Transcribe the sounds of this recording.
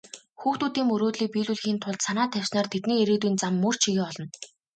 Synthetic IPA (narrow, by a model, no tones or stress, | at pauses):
xuːxt̪uːt̪iːmɵɾoːt̪ɮiːk̚piːɮuɮxiːnt̪ʰʊɮt̪sanaːt̪ʰæw̥ʲsnaːrt̪ʰet̪niːeɾeːt̪uiːnt͡samːɵr̥t͡ɕʰiɣeːɔɮɞ̆n